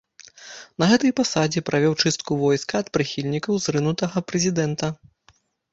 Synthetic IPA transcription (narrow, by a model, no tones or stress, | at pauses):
nɐɣɛt̪ɐjpasad͡zʲipɾʔavʲɔwt͡ʂɨst̪̚kuvɔjskɐːt̪̚pɾɨxʲilʲnʲikɐwzrɨnut̪ɐɣɐpɾɛzʲid̪ɛnt̪ɐ